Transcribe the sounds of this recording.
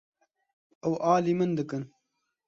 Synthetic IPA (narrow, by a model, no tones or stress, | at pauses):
ɐwʔɑːliːmɨnd̪ɨkɨn